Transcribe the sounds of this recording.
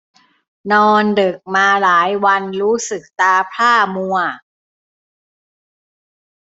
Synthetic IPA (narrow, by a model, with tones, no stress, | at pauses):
nɔː˧ndɤ˨˩k̚maː˧laː˩˦jwa˧nɾuː˦˥sɯ˨˩k̚t̪aː˧pʰaː˥˩mu˧ɐ